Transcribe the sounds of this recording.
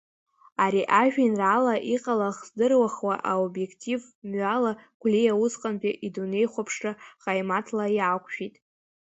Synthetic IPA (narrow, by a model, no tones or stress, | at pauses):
aɾiʔaʒᶣinralaʔiqʼalaχzdɨrwaχwaʔaobje̞kʰtʰiv | mɥalaɡʷlijawʊsqʼanpʲʼiʔidune̞jχʷapʰʂɨχajmatʰlajakʷʰʼʃᶣitʼ